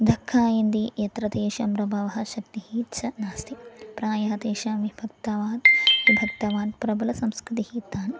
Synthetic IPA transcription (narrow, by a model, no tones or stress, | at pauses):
d̪ʱɐkʰːaːjind̪ijɐt̪ɾɐt̪eːʃɐmɾɐbʱɐʋɐɦɐʃɐkt̪ihiːt͡ʃʰɐnaːst̪ipɾaːjɐɦɐt̪eːʃɐʋibʱɐk̚t̪ɐʋaːt̪ʋibʱɐk̚t̪ɐʋaːnpɾɐbɐlɐsɐmskɾɪt̪ihiːt̪aːn